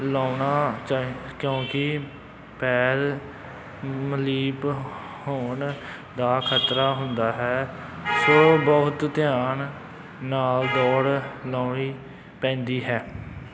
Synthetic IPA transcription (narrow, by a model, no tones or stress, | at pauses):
laːʊɳaːt͡ʃaːkjõːkɪ | pɛːɾ | məliːp | hoːɳ | d̪aːkʰət̪ɾaːɦʊnd̪aːɦɛːsoːbɔɦʊt̪t̪ɪjaːɳ | naːld̪ɔːɾlaːɳiː | pɛ̃ːnd̪iːɦɛː